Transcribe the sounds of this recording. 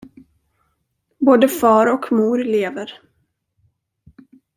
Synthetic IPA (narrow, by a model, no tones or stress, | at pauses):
boːd̪əfɑːɾɔkmuːɾleːvəɾ